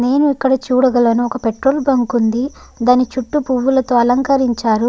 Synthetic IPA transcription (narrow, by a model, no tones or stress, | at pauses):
ne̞ːnuikːɐɽɐt͡ʃuːɽɐɡɐlonuɔkɐpeʈɾo̞ːlbɐŋkund̪i | d̪aːnit͡ʃuʈːupuʋːulɐt̪o̞ːɐlɐŋkɐɾiɲt͡ʃaːɾu